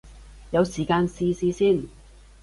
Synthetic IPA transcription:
jɐ˨˧wsiː˨˩kaː˧nsiː˥siː˥siː˥˩n

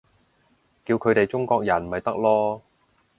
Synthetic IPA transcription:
kiː˧wkʰɵ˨˧ɥt̪e˨jt͡ʃʊ˥ŋkɔː˧k̚jɐ˨˩n˨mɐ˨jt̪ɐ˥k̚lɔː˥

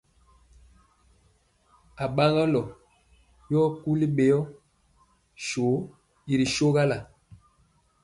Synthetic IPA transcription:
a˨ɓa˦ŋa˦lɔ˨ | jɔ˦ku˦li˦ɓe˨jɔ˦ | ʃo˨˦ | i˨ɾi˨ʃo˦ɣa˦la˨

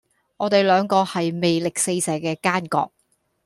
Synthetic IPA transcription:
ŋɔː˨˧t̪e˨jlœː˨˧ŋkɔː˧hɐ˨jme˨jlɪ˨k̚se˧jsɛː˨˥kɛː˧kaː˥nkɔ̰ː˧k̚

